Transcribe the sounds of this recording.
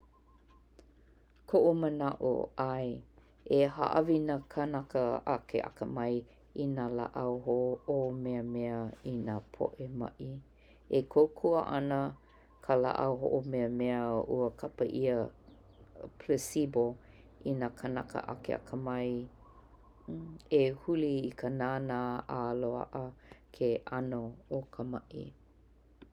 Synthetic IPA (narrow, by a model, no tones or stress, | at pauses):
kʰoʔumənaʔo̰aj | eha̰ʔɐvinakʰənakəakʰḛʔa̰kəmɐj | inala̰ʔawɦoomeəmɛəinapʰo̰ʔemɐ̰ʔi | ekʰowkʰuəʔɐnə | kʰəla̰ʔawɦo̰ʔomɛəmɛəṵəkʰapəʔiə | pʰlesibo | inakʰənakə̰ʔa̰kḛa̰kʰəmɐj | ehuliːkʰənaːnaːaloa̰ʔəkʰeʔanookʰəmɐʔḭ